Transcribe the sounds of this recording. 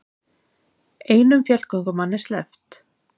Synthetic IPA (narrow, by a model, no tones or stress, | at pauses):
eːjnʏmfjɛl̥kɔŋkʏmanːɛɾslɛft̪